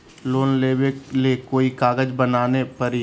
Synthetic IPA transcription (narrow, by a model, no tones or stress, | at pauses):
loːnleːwelekoːikaːɡəd͡ʒbənaːnepəɾi